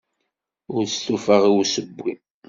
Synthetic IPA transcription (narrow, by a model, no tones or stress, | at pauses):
ʊɾst̪ufəʁiwsəbːi